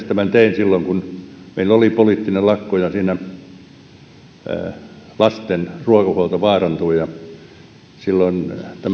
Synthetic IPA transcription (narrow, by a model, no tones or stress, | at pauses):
st̪æmænt̪einsilːoŋkunmeilːolipoliˑt̪ːinellɑkːojɑsiːnæ | lɑst̪enruɑkɑhuɑlt̪ɑʋɑːrɑnt̪uijɑ | silːoint̪æm